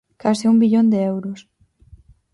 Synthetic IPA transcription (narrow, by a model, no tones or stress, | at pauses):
kasɪumbiʎond̪eɛwɾos